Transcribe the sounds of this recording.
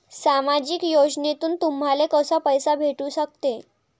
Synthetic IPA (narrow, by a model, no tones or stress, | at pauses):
samad͡ʑikjod͡znet̪uːnt̪um̤ɦalekəsapəjsabʱeʈuːɕək̚t̪e